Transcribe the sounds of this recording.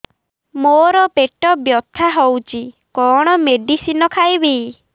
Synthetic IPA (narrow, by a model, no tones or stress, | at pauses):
moɾɔpeʈɔbjɔt̪ʰːaɦowt͡ʃʰi | kɔɽ̃ɔmeɖisinɔkʰajbi